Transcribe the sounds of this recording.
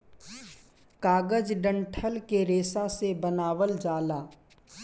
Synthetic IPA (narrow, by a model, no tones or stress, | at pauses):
kaːɡəd͡ʒɖə̃ɳʈʰəlkeɾeːsãsebənaːʋəld͡ʒaːlaː